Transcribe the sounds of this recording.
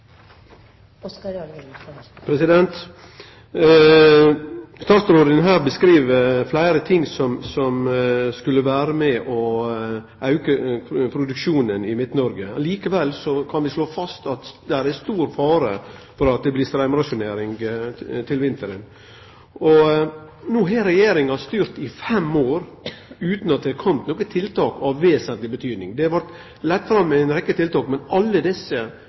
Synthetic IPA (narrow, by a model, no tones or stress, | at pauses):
pʰɾɛsɪd̪ɛnt̪ | st̪ɑːt̪sɾoːd̪ənɦæːɾbəskɾiːʋəflæɪɾət̪ʰɪŋːsɔmsɔmskʉlːəʋæːɾəmɛʔɔ | ʔɑʉkəpʰɾʊd̪ʉkʃuːnənɪmɪt̪nɔɾɡəliːkəʋɛlsɔkʰɑnʋɪsloːfɑst̪ɑt̪d̪æɾæst̪uːɾfɑːɾəfɔɾɑt̪̚d̪ɛblɪːst̪ɾæmɾɑsʊneːɾɪŋɡt̪ʰɪlʋɪnt̪əɾən | ɔ | nuːɦeɾɛjeːɾɪŋɑst̪yːɾt̪ɪfɛmoːɾʉːt̪nɑt̪̚d̪ɛkʰɔmt̪nɔːkət̪ʰɪlt̪ɑːkɑʋʋeːsənt̪lɪbət̪ʰyːd̪nɪŋd̪ɛʋɑɾt̪ | lɛt̪ːfɾɑmːɪnɾɛkːət̪ʰɪlt̪ɑːkmɛnɑlːəd̪ɪsːə